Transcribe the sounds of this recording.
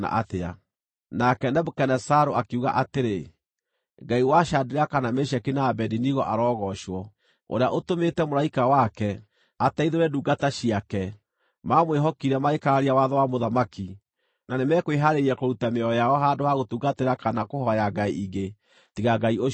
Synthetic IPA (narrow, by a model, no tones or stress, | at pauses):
na̰ʔatea̰ | nakɛnɛbokɛnɛsaɾoakeuɣa̰ʔateɾe | ɡaiwaʃadeɾakanameɕɛkinaːbɛdiniɣɔʔaɾɔːɣɔʃwɔ | o̰ɾeaʔotometɛmoɾaikawakɛ | ataiðoɾɛduːɡataɕiakɛ | mamoweɦɔkiɾɛmaekaaɾiawaðɔwamoðamaki | nanemɛkweɦaɾeɾiɛkoɾutameɔjaɔɦadohaɣotuːɡateɾakanakohɔjaɡaiiɣe | tiɣaɡaio